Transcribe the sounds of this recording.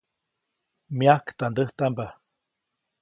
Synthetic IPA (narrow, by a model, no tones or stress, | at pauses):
miakt̪and̪əht̪amba